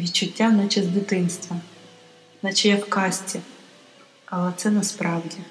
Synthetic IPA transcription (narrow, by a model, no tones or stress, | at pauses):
ʋʲit͡ʃːʊtʲːanat͡ʃɛzʲd̪ʲɪt̪ɪnst̪ʋɐ | nɐt͡ʃɛjɛfkɑsʲtʲɪ | ɐlˠɛt̪sɛnɐspɾɑwdʲi